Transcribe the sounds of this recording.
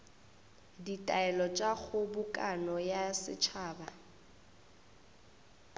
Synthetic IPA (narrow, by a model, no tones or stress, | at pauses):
ditʼaɛlɔt͡ʃʼaɣʊbʊkʼanɔjasɪ̰t͡ʃʰaːba